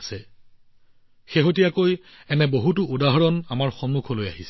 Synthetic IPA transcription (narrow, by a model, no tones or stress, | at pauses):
sɛ | xeɦotijakoj | ɛnɛboɦutʊudaɦɔɹɔnamaɹxɔnmːukʰoloja̰ɦisɛ